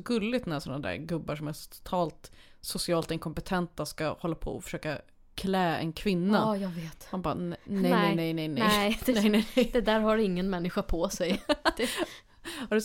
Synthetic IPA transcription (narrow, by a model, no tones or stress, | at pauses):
ɡɵlːɪt̪næsɔnːad̪æ̰ɾɡɵbːaʂɔmæt̪ʰʊ̥t̪ʰɑːlt̪ | sʊsɪɑːlt̪ɪnkʰɔmpɛt̪ʰɛnt̪askahɔlːapʰɔ̰ɔ̰fœ̥ʂøːka | kʰlɛːɛ̰nkʰvɪnːajɑɡveːt̪hanba̰ːnɛɛɛnɛjnɛjnɛjɛd̪nɛjnɛnɛjd̪ɛd̪æːɾhaɾɪŋːənmɛnːɪɧapʰɔsɛj | haɖɵ